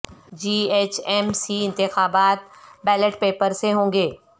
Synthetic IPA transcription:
d͡ʒiːeːt͡ʃɛːmsiɪ̃nt̪ɪxaːbaːt̪̚bɛːləʈpeːpəɾseɦõːŋɡeː

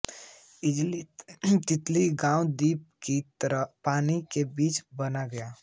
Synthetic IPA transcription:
ɪd͡ʒlit̪ɪt̪liɡãːũd̪iːp̚kit̪ɾpaːnikebiːt͡ʃbənaɡəja

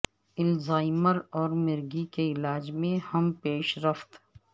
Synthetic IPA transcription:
ɪlzaːɪməɾɔːɾmɪɾɡikeɪlaːd͡ʒmẽhɐmpeːʃɾɐft̪

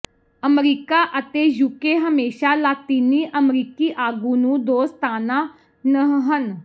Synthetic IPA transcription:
əmɾiːkaːʔət̪eːjuːkeːɦəmeːʃaːlaːt̪iːniːʔəmɾiːkiːʔaːɡũːnũːd̪oːst̪aːnaː | nəɦən

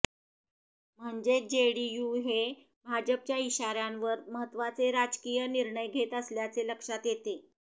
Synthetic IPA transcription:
m̤əɳd͡ʑed͡ʑeɽijuɦe | bʱad͡ʑəp̚t͡ɕjaiɕaɾjãnʋəɾməɦət̪ːʋat͡seɾad͡zkijəniɾɳəjɡʱet̪əsljat͡seləkʂat̪jet̪e

